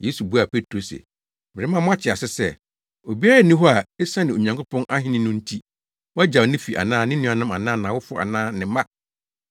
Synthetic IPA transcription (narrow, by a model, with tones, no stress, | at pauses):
je˦su˨bu˦a˨pe˦tʰɾo˨sḛ˨ | mɪ˨ɾɪ˦mã˦˨mʊ̃˦a˦t͡ɕʰɪ˨a˨sɪ˦sɛ˦˨ | o˨bi˦a˦ɾa˨nĩ˦ɦɔ˦a˨ɛ˦sã˦nɪ̃˨o˨ɲã˨ŋkʰʊ˦pʰɔ̃˦nʔa˦ɦɪ̃˦nɪ̃˦nʊ̃˦n̩˦tʰi˦ | wa˦d͡ʑa˨nɪ̃˦fi˨ʔa̰˨nãː˦nɪ̃˦nʊ̃˦a˨nã˦mã˨nãː˦nãː˨wʊ˦fʊ˦a̰˨nãː˦nɪ̃˨˦mã˦